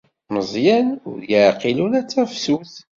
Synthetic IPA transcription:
məzˤjænʊɾðjəqilunæt͡sːæfsuθ

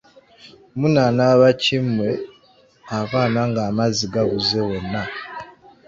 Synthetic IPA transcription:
munanaβacimwe̞ | aβaːnaŋɡaːmaziɡaβuzewo̞nːa

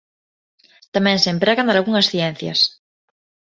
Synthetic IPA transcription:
t̪amɛ̃ŋseːmpɾeɣanalɣuŋɐsθjɛn̟θjɐ̰s

